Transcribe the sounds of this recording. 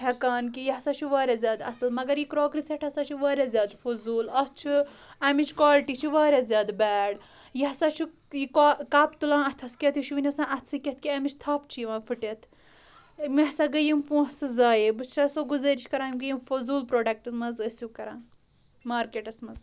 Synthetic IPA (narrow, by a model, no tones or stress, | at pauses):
ɦɐkaːnkijɦɐsat͡ʃʰuʋaːɾʲazʲjaːd̪ɐ̰slmɐɡɐɾjikɾoːɡɾiseʈʰɐsat͡ʃʰiʋaːɾʲazʲjaːd̪fozuːlɐst͡ʃʰi | ɐmit͡ʃʰkaːlʈit͡ʃʰiʋaːɾʲazʲjaːd̪bɛːɖ | jɐɦɐsaːt͡ʃʰi | jikakaːpt̪ulãːnɐt̪ʲʰɐskʲet̪ʰiʃuʋinʲɐsãːʔɐt̪ʰsɨkʲɐt̪̚ʰkʲiɐmit͡ʃʰt̪ʰaːp̚t͡ʃʰijiʋãːfɨʈet̪ʰ | miɦsaɡɐjimpũːɦsɨzaːjebɨst͡ʃʰasoɡuzɐɾit͡ʃʰkɐɾaːimɡɐjimfozuːlpɾoːɖɐk̚ʈɐmɐzɐsjukɐɾãːn | maːɾkeːʈɐsmɐz